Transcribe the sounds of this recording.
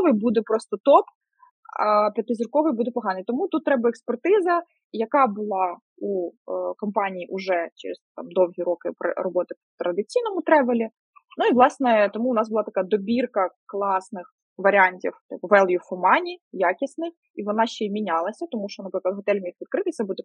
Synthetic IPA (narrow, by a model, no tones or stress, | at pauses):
ʋɪjbud̪ɛpɾɔst̪ɔt̪ɔp | pʲit̪ːɪzʲirkɔʋɪjbud̪ɛpɔɦɑnɪjt̪ɔmut̪ut̪ːɾɛbɐɛkspɛrt̪ɪzɐ | jɐkɑbʊlˠɑ | ukɔmpɑnʲijiʔuʒɛt͡ʃɛ̰ɾɪz̥t̪ɑ̰md̪ɔwɦʲiɾɔkɪprɔbɔt̪ɪpt̪ɾɐd̪ɪt͡sʲijnɔmʊt̪ɾɛʋɪlʲi | nuiʋlˠɑsnɛt̪ɔmuʊnɑzbʊlˠɑt̪ɐkɑd̪ɔbʲirkɐklˠɑsnɪx | ʋɐɾʲanʲtʲḭwt̪ɪpɔʋɛlˠjufɔmɑnʲijɑkʲisnɪ | iʋɔnɑʃt͡ʃːɛimʲinʲɑlˠɐsʲɐt̪ɔmuʃt͡ʃɔnɐpɾɪklˠɐd̪ɦɔt̪ɛlʲmʲixʋʲid̪̚kɾɪt̪ɪt̪sɛbud̪ɛ